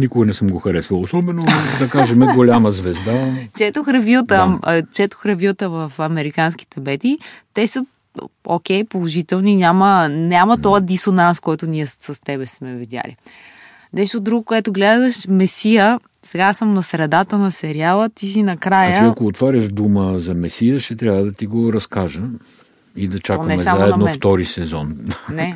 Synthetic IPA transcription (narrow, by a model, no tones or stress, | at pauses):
nikoɡɐnɛsəmɡoxɐɾɛsvɐlˠosɔbɛnod̪ɐkaʒɛmɛɡolʲaməzvɛzd̪at͡ʃɛt̪oxɾɐvit̪ət͡ʃɛt̪o̥xɾɐvʲilt̪əvɐfɐmɛɾikansk̟i̥t̪ɛbɛt̪it̪ɛsə | o̰kʲɛjpolˠoʒit̪ɛlˠninʲamənʲamət̪ɔjəd̪isonanskɔjt̪ʊniɛsɐst̪ɛbɛsmɛvid̪ja̰lḭ | nɛʃt̪od̪ɾuɡokoɛt̪oɡlɛd̪d̪əʃmɛsijə | sɛɡasəmnɐsɾɛd̪at̪ənɐsɛɾialˠət̪is̬inɐkɾajaəɐkoːt̪vaɾʲəʒd̪uməzɐmɛsijəʃɛt̪ɾʲavəd̪ɐt̪iɡoɾɐskaʒə | id̪ɐt͡ʃanəɛmɛsamzaɛd̪nofft̪ɔɾisɛzɔnnɛ